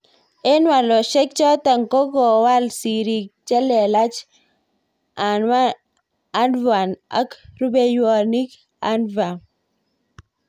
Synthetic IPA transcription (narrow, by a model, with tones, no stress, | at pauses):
e˦nwa˨lɔ˨ʃɛ˦k̚t͡ʃɔ˦t̪a˨ŋkɔ˦ɡɔ˨wa˦lsi˨ɾi˨k̚t͡ʃɛ˦lɛ˨la˦t͡ʃ | a˨nwa˦ | a˦ndva˨na̰˦kɾu˦be˦jwɔ˨ni˦k | a˦nva˨